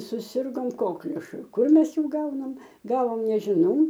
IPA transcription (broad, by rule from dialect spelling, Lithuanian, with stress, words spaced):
sʊˈsʲɪrɡoːm ˈkoːklʲʊʃʊ ˈkʊr ˈmʲɛs ˈjuː ˈɡɐʊnɐm ˈɡɑːʋoːm nʲɛʒʲɪˈnɐʊ